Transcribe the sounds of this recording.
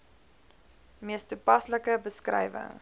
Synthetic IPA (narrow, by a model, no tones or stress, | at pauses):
miəstupɐsləkəbəskrɛ̰jvə̰ŋ